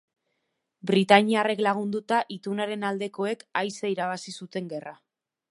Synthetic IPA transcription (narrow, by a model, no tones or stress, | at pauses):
bɾit̪aɲiare̞klaɣ̞und̪ut̪aʔit̪unaɾe̞nald̪e̞ko̞e̞kajsaiɾaβasisut̪e̞ŋɡe̞ra